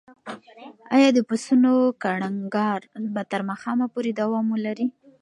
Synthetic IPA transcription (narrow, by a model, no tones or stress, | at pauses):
ɑ̰jɑd̪əpasunokaɽaŋɡɑɾbat̪əɾmaxɑmapoɾed̪awɑmolaɾi